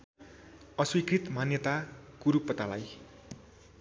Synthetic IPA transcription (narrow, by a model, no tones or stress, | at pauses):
ʌswikrit̪manjʌt̪akuɾupːʌt̪alaj